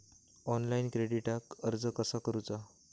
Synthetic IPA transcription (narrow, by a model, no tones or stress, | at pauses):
ɔnlainkɾeɽiʈakəɾd͡zəkəsakəɾut͡sa